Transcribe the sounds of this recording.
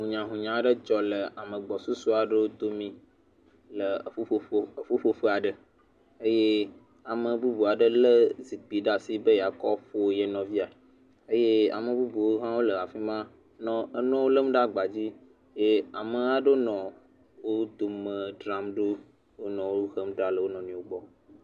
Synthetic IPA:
ɦũ˨ɲã˨ɦũ˨ɲã˨˦ɖə˦d͡ʒɔ˨lə˨a˨mə̃˨ɡ͡bɔ˨su˦su˦a˨ɖə˦wo˦d̪o˦mĩ˦ | lə˨o˦fu˦ɸo˦ɸə˦a˨ɖə˨ | ə˦je˦ | a˨mə̃˨bu˦bu˨a˨ɖə˦lə˦zi˨k͡pi˨ɖa˨si˦bə˦ja˨kɔ˦ɸo˦je˨nɔ̃˨vi˦a˨ | ə˦je˦a̰˨mə̃˨bu˦bu˨wo˦ɦã˦wo˦lə˨a˨fi˦mã˦ | nɔ̃˦ə˦nɔ̃˦wo˦lə˦m˦ɖa˦ɡ͡ba˨d͡ʑi˦ | je˦a˨mə̃˨a˦ɖo˦nɔ̃˨ | wo˦d̪o˨mə̃˨ɖɾa˦mɖo˦ | wo˦nɔ̃˨wo˦ɣə˦mɖɾa˨lə˨wo˦nɔ̃˨nĩ˨wo˦ɡ͡bɔ˦

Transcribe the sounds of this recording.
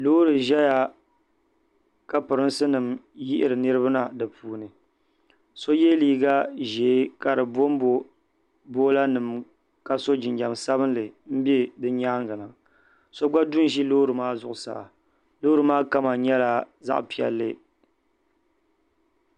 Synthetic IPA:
lo˦ɾɨ˨ʒɛ˦ja˨ | ka˦pɨ˨ɾɨ˦nsɨ˦nɨ˨mji˦ʔɪ˦ɾɨ˨nɨ˦ɾɨ˦ba˦na˦dɨ˨puː˦nɨ˨ | so˦jɛ˦liː˦ɡa˦ʒe˨˦ka˨ɾɨ˨bo˦mbo˨ | bo˦la˦nɨ˨m | ka˦so˦d͡ʒɪ˨nd͡ʒa˨msa˦bɨ˦nlɨ˨m̩˦be˦dɨ˦ɲaː˦ŋɡɨ˨nɨ˨ | so˦ɡ͡ba˦du˦n˦ʒi˦loː˦ɾɨ˨maː˦zʊ˨ʔʊ˨sa̰˨a̰˨ | loː˦ɾɨ˨maː˦ka˦ma˨ɲɛ˦la˨za̰˦ʔpi˨ɛ̰˨lːɨ˦

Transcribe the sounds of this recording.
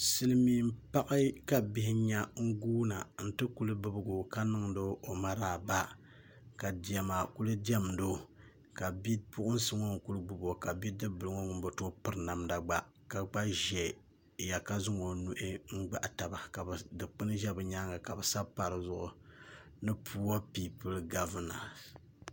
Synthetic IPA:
sɨ˦lɨ˦miː˦m̩˦pa˦ʔɪ˦ka˨bi˦hɪ˦ɲa˦ŋ̩˦ɡuː˦na˨n̩˦tɨ˦ku˦lɨ˦bɨ˦bɨ˦ɡʊ˨ka˦nɨ˦ŋ˦do˦ʔo˨ma˦ɾaː˨ba˦ | ka˨di˨a˨maː˨ku˦lɨ˦di˦ɛ˦m˨do˦˨ | ka˨bi˦pʊ˦ʔʊ˦n̩˦sɨ˦ŋo˦ŋ̩˨ku˦lɨ˦ɡ͡bu˦bo˨ka˨bi˦dɨ˦bɨ˨lɨ˦ŋo˦ŋʊ˨m˦bo˨to˦pɨ˨ɾna˨mda˨ɡ͡ba˦ | ka˨ɡ͡ba˦ʒɛ˨ | ja˨ka˦zʊ˦ŋo˨nu˦ʔɪ˦ŋ̩˦ɡ͡ba̰˦ʔta˨ba˨ka˨bdɨ˨k͡pɨ˦nɨ˦ʒɛ˦bɨ˨ɲa˦ŋa˨ka˨bɨ˨sa˦bpa˨ɾɨ˨zʊ˨ʔʊ˨nɨ˦pʰuː˦wa˦pi˦pɨ˦lɡa˦vɨ˦na˨s

